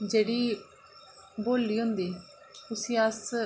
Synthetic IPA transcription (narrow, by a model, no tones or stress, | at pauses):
d͡ʒeːɽiː | boːlːiːɦʊ̃nd̪iː | ʊsĩːəs